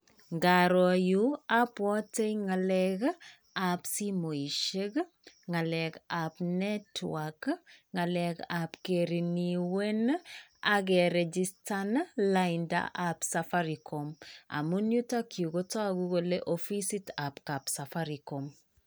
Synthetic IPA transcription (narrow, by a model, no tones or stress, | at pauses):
ŋɡaɾɔjuapwɔtejŋalɛk | apsimoiʃeɡ | ŋalɛkapnɛtwakŋalɛɡapkeɾiniwenaɡ̬ɛɾɛd͡ʒistanlainda̰ʔapsafaɾikoma̰munjutakʰiuɡotɔaɡuɡoleʔofisitapkapsafaɾikom